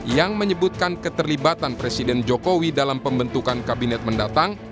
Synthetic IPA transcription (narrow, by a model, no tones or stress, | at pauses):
jaŋməɲəbut̪̚kankət̪ərlibat̪anpɾesidɛnd͡ʒokowidalampəmbənt̪ukankabinɛt̪̚məndat̪aŋ